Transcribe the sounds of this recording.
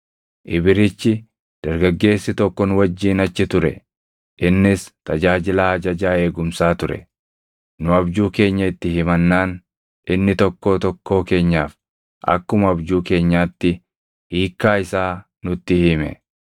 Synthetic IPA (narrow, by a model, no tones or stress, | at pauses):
ʔɪbɪɾɪt͡ʃːɪ | d̪̥ɐɾɡɐɡːe̞ːsːɪt̪ɔkːɔnʊwɐd͡ʒːiːnɐt͡ʃːɪt̪ʊɾɛ̰ | ʔɪnːɪst̪ɐd͡ʒaːd͡ʒɪlaːhɐd͡ʒɐd͡ʒaːe̞ːɡʊmsaːt̪ʊɾɛ̰ | nʊɐbd͡ʒuːke̞ːɲːɐɪt̪ːɪɦɪmɐnːaːn | ʔɪnːɪt̪ɔkːo̞ːt̪ɔkːo̞ːke̞ːɲːaːf | ʔɐ̰kːʊmɐɐbd͡ʒuːke̞ːɲːaːt̪ːɪ | iːkːaːɪsaː | nʊt̪ːɪhɪmɛ̰